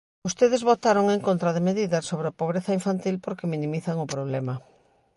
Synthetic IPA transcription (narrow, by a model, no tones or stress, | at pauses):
ʊst̪eðezβot̪aɾoŋeŋkont̪ɾɐðemeðiðɐsoβɾeapoβɾeθɐiɱfant̪ilpoɾkemĩnĩmiθɐŋʊpɾoβ̞lɛmɐ